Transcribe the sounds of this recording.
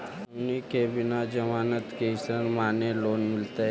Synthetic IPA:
nikebɪnad͡ʒəmaːnət̪keɪsɾənmaːneloːnmɪlt̪e

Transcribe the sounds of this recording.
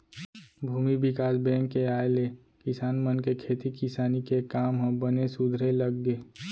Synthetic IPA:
bʱuːmibɪkaːsbɛ̃ːŋkːeaːele | kɪsaːnmənkekʰeːt̪ikɪsaːnikekaːmɦə̃bənesʊd̪ʱɾeləɡːeː

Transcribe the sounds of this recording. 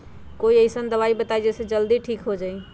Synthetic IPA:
koiəisənd̪əβaibət̪aid͡ʒesẽd͡ʒəld̪iʈʰiːkɦod͡ʒai

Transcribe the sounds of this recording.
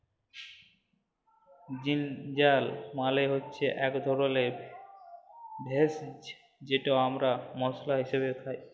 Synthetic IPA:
d͡ʑind͡ʑalmaleɦotːɕʰeʔɛkd̪ʱɔɾole | bʱes | d͡ʑeʈaoamɾamɔslaɦiʃeβet̪ʰaj

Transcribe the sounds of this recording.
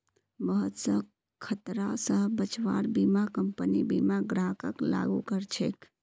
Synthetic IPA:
bəɦət̪sə̃ | kʰət̪ɾasəɦbət͡ʃʋaɾbimakəmpənibimaɡɾakəkla̰ɡukəɾt͡ʃʰek

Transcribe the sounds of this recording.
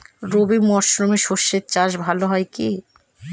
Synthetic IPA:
ɾobimɔɾʃɾomeʃoʃːet̪̚t͡ɕaʃ̬bʱaloɦɔeki

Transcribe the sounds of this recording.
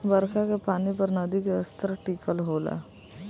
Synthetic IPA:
bəɾkakepaːnipɐɾnɐd̪ikeəst̪əɾʈiːkəlɦoːla̰ː

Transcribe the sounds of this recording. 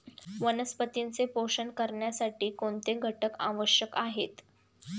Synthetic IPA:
ʋənəspət̪int͡sepoʂəɳkəɾɳjasaʈiːkoɳt̪eɡʱəʈəka̰ʋəɕjəkaɦet̪

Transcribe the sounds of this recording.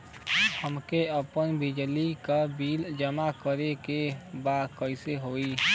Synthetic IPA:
həmkeəpənbɪd͡ʒlikabiːld͡ʒəmakəɾekebaːd̪kəɪseɦoːiː

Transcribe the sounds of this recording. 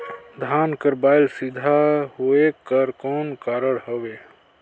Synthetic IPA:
d̪ʱankəɾbajlsid̪ʱaɦoekəɾkɔnkaɾəɽɦəbe

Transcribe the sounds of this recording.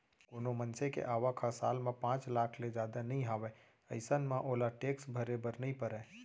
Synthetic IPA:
koːnomənsekḛʔaːʋakʰasaːlmẽpãːt͡ʃlaːkʰled͡ʒaːd̪anɐɦĩɦaːʋe | əɪsənmãʔoːlaʈeːksbʱəɾebəɾnəɦĩpəɾɛ̃ː

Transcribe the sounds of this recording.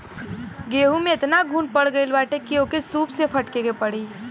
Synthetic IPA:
ɡeɦumeet̪naɡʱunpəɽɡəɪlbaʈekiokesupsepʰəʈkekepəɽi

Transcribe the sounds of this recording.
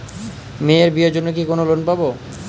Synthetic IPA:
meeɾbiod͡ʑonːok̬ikonolonpabo

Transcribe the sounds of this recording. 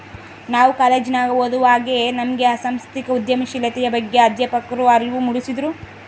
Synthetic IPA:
naːʋukaːlɐd͡ʒinaːɡɐɦod̪uʋaːɡenɐmɐɡe̞ɐsɐmst̪ikɐud̪jɐmiʃilɐt̪ɛjɐbɐɡːe̞ɐd̪jɐpɐkːɾuɐɾʋumuɽisid̪ɾu

